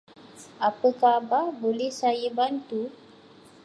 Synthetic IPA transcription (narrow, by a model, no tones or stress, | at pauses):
apəkababolɛhsajəbant̪u